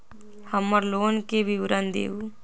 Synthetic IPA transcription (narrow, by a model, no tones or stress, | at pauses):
həmːəɾloːnkebʱiʋɾənd̪ḛːu